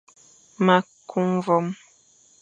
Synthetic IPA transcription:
ma˨kʰu˦mvɔ˦m

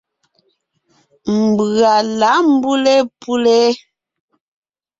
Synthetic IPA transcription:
m̩˨bɰa˨la˨˦m̩˦bu˦le˦pu˦le˦

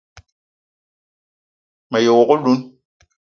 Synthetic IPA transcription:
ma˨jo˨wɔ˨ko˦lu˦n

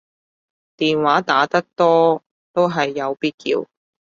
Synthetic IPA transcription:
t̪iː˨nwaː˨˥t̪aː˨˥t̪ɐ˥k̚t̪ɔː˥ | t̪o˥wɦɐ˨jːɐ˨˧wpiː˥t̚kḭː˧w

